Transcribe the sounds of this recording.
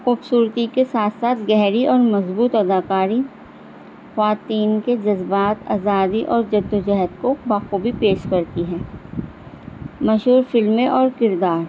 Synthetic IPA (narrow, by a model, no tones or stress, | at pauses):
xʊbsuːɾt̪ikesaːt̪ʰsaːt̪ʰɡɛɦɾiʔɔːɾmɐzbuːt̪ɐd̪aːkaːɾi | xwaːt̪iːnked͡ʒɐzbaːt̪a̰ːzaːd̪iʔɔːɾd͡ʒɐd̪ːod͡ʒɛɦət̪kobaːxubʱipeːʃkɐɾt̪iɦɛ̃ː | mɐʃɦuːɾfɪlmẽʔɔːɾkɪɾd̪aːɾ